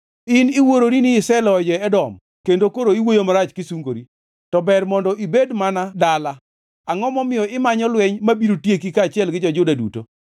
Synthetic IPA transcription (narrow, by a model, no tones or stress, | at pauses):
ɪnɪwoɾoɾinɪːsɛlɔd͡ʒɔɛdɔm | kendokoɾoiwojomaɾat͡ʃkɪsuŋɡoɾi | tɔbɛɾmɔndɔʔibedmanadala | aŋɔmɔmɪjɔɪmaɲɔlwɛɲmabiɾotjekikaːt͡ʃɪɛlɡɪd͡ʒɔd͡ʒʊdadṵto̰